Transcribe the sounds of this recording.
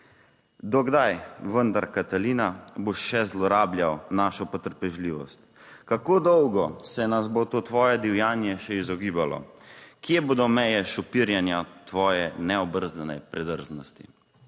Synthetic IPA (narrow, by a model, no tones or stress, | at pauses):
d̪ɔɡd̪ajʋənd̪aɾkat̪aliːnaboʃːɛzlɔɾaːbljawnaːʃɔpɔt̪əɾpɛʒliːʋɔ̰st̪ | kakoːd̪ɔwɡɔsɛnazbot̪oːt̪ʋɔːjɛd̪iwjaːnjɛʃɛizɔɡiːbalɔ̰kjeboːd̪ɔmɛjɛʃɔpiɾjɛnjat̪ʋɔːjɛnɛɔbəɾzd̪ənɛ̰pɾɛd̪əɾznɔst̪ḭ